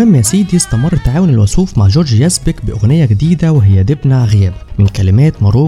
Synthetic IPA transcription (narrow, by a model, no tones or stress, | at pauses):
aːmjasiːd̪jɪst̪amɪrˤːt̪aʕaːwʊnɪlwasuːfmaʕʒoːɾʒjazbɪkbɪʔʊɣnɪjːaɡɪd̪iːd̪awɪɦɪjːad̪ɪbnaʕɣɪjaːbmɪnkalɪmæːt̪mɑɾuː